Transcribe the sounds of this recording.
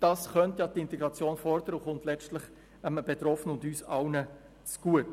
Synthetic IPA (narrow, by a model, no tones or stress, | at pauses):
d̥ɑːsχœntjɑːtɪnt̪ɛɡɾɑt͡sjoːnfɔɾdəɾəʊχʊntlɛt͡stlɪχ | ɛməb̥et̪ɾɔfənəʊndyːsɑwnə | sɡ̥uət